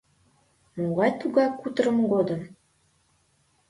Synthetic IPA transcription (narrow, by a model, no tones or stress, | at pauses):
moʁɑjt̪uɡɑkut̪ɤɾə̆mɡod̪ɤ̆m